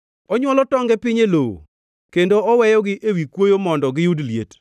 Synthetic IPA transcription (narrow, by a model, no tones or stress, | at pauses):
ɔɲwɔlɔtɔŋɡɛpɪɲelow̰ | kendoɔwɛjɔɡɪʔewikwojomɔndɔɡɪjudlijḛt